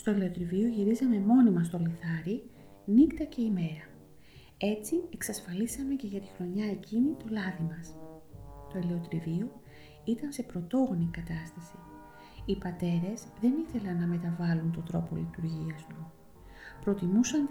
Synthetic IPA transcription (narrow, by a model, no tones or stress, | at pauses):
st̪o̞ele̞ot̪ɾivio̞ʝiɾizɐme̞mo̞nimɐst̪o̞liθɐɾi | nikt̪ɐce̞ime̞ɾɐ | e̞t͡sie̞ksɐsfɐlisɐme̞ce̞ʝɐt̪i̥xɾo̞ɲɐe̞cinit̪o̞lɐðimɐs | t̪o̞ele̞o̞t̪ɾivio̞ | it̪ɐnse̞pɾo̞t̪o̞ɣo̞nikɐt̪ɐst̪ɐsi | ipɐt̪e̞ɾe̞zðe̞niθe̞lɐnːɐme̞t̪ɐvɐlunt̪o̞d̪ɾo̞po̞̰lit̪uɾʝiɐzt̪u | pɾo̞t̪imusɐn